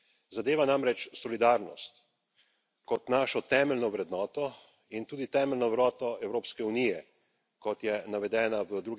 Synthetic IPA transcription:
zad̪eːʋanamɾɛt͡ʃsɔlid̪aːɾnɔ̰st̪ | kɔt̪naːʃɔt̪ɛːmɛlnɔʋɾɛd̪nɔːt̪ɔ | int̪uːd̪it̪ɛːmɛlnɔwɾɔːt̪ɔɛwɾoːpskɛunijɛ | kɔt̪jɛnaʋɛd̪ɛːnaʋəd̪ɾuɡ

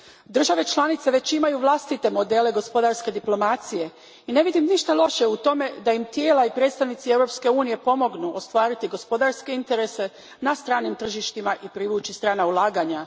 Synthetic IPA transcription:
d̪r̩ʒaʋe̞t͡ʃlˠanit̪seʋe̞t͡ɕimajuʋlˠast̪it̪e̞mo̞d̪e̞le̞ɡo̞spo̞d̪aɾske̞d̪iplo̞mat̪sije̞ | ine̞ʋid̪imniʃt̪alˠo̞ʃe̞ut̪o̞me̞d̪ajimt̪jeːlaipɾe̞ːt̪st̪aʋnit̪sie̞vɾo̞pske̞uːnije̞po̞mo̞ɡnuʔost̪ʋaːɾit̪iɡo̞spo̞d̪aɾske̞int̪e̞ɾese̞ | nast̪ɾaːnimt̪r̩ʒiʃt̪imaʔipɾiʋuːt͡ɕist̪ɾaːnaulˠaːɡaɲa

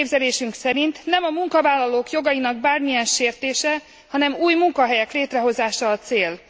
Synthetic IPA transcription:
bzɛleːʃyŋksɛɾint̪nɛmɒmuŋkɒvaːlːɒloːkjo̞ɡɒjinɒɡ̚baːrmijɛnʃeːrt̪eːʃɛ | hɒnɛmuːjmuŋkɒɦɛjɛkleːt̪rɛɦo̞zaːʃɒːt̪seːl

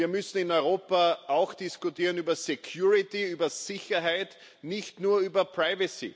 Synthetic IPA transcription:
iːɐmʏsn̩ɪnɔʏʁoːpaʔaʊxd̥ɪskʊtiːʁənyːbɐsekʰjuːʁɪtiyːbɐsɪçɐɦaɪt | nɪçtnuːɐyːbɐpʁaɪvəsḭ

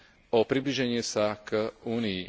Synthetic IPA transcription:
ɔpɾibliːʒɛɲɪɛsakuːnii

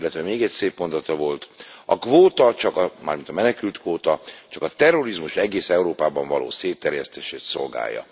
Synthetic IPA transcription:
lːɛt̪ʋɛmeːɡɛcseːpmo̞nd̪ɒt̪ɒvo̞lt̪ɒkʋoːt̪ɒt͡ʃɒkɒma̰ːrmint̪ɒmɛnɛkylt̪kʋoːt̪ɒt͡ʃɒkɒt̪ɛrːo̞ɾizmuʃɛɡeːsɛuɾoːpaːbɒɱvɒlo̰ːseːt̪ːɛrjɛst̪eːʃeːt̪so̞lɡa̰ːjːɒ̰

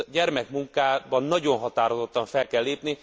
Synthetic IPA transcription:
ɟɛrmɛkmuŋkaːbɒnːɒɟo̞nɦɒt̪aːɾozo̞t̪ːɒɱfɛlkɛlːeːpni

